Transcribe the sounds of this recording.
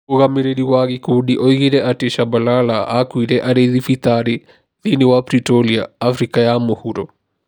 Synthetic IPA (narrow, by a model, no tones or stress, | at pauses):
uɣamiɾeɗiwaɣikuɗiʔɔiɣiɾɛʔateʃabalalaʔakwiɾɛʔaɾeðifit̪aɾi | ðiniwapɾitɔlia̰ːfɾikajamohuɾɔ